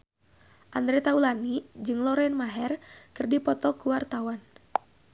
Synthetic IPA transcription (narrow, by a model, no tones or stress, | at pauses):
ʔand̪ɾɛt̪aulanid͡ʒɨŋlɔɾɛnmaɦɛrkɨrdipɔt̪ɔkuwart̪awan